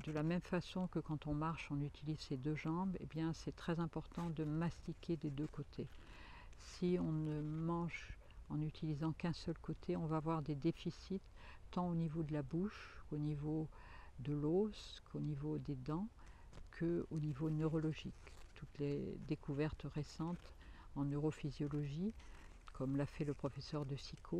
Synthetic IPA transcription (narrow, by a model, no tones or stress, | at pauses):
d̪əlamɛmfasɔ̃kəkɑ̃t̪ɔ̃maʁʃɔ̃nyt̪ilizsed̪øʒɑ̃bḛbjɛ̃sɛt̪χɛzɛ̃pɔʁt̪ɑ̃d̪əmast̪ikʲed̪ed̪økot̪ʰe | siɔ̃nəmɑ̃ʒ | ɑ̃nyt̪ʰilizɑ̃kɛ̃sœlkot̪ʰeɔ̃vaːvwaʁd̪ed̪efisit̪ːɑ̃onivod̪əlabuʃkonivo | d̪əlozkʰonivod̪ed̪ɑ̃kʰəonivonøʁɔlɔʒikt̪ut̪led̪ekuvɛʁt̪ʁesɑ̃t̪ | ɑ̃nøʁofizjɔlɔʒi | kʰɔmlafɛləpχɔfesœʁd̪əsikʰo